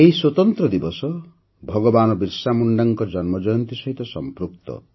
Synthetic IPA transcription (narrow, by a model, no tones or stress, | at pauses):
eɦiswot̪ɔnt̪ɾɔd̪ibɔsɔ | bʱɔɡɔbanɔbiɾsamuɳɖaŋkɔd͡ʒɔnmɔd͡ʒɔjɔnt̪isɔɦit̪ɔsɔmpɾuk̚t̪ɔ̰